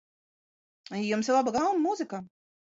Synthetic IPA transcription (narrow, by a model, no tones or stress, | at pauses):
ijumsiɾlˠabaɡalˠmːuzɨka